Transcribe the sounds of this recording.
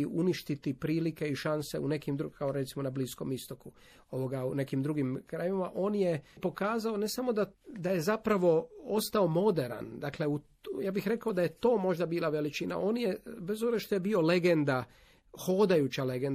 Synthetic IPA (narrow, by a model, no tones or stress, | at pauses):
uniʃt̪it̪ipɾiːlike̞iʃanse̞une̞kimd̪ɾukʰaoɾet̪simo̞nablisko̞mist̪o̞ku | o̞ʋo̞ɡaune̞kimd̪ɾuɡimkɾajiʋimaʔo̞ːnjepo̞kaːzao̞ne̞samo̞d̪ad̪aje̞zapɾaʋo̞o̞st̪ao̞mo̞d̪e̞ɾa̰nd̪akle̞u | jaːbixɾe̞kaod̪ajet̪o̞ːmo̞ʒd̪abiːlˠaʋe̞lit͡ʃina̰ʔo̞ːnjebezobzeʃt̪oje̞bio̞le̞ɡend̪a | ho̞ːd̪ajut͡ɕaleɡen